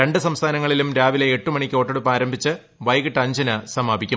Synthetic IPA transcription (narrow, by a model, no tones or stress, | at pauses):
ɾe̞ɳɖɨsɐmst̪ʰaːnɐŋːɐɭilumɾaːʋile̞ːʈːumɐɳikʲːo̞ːʈːɐɽupːaːɾɐmbʱit͡ɕːɨ | ʋɐjkɨʈːɐɲd͡ʑɐnɐsɐmaːbʱikʲːu